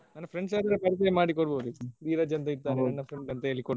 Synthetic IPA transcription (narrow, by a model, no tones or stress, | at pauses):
nɐnːɐpʰɾeɳɖsaːd̪ɐɾɐpɐɾt̪ɐjɐmaːɽikɔɽboʋd̪ud̪iːɾɐd͡ʒɐnt̪ɐit̪ːaːnenɐnːɐpʰɾeɳɖɐnt̪ɐelːikoɽ